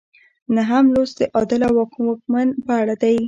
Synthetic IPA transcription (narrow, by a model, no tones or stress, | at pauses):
naɦamlosd̪əʔɑd̪ɪlawɑkwɑk̚manpəaɽad̪aj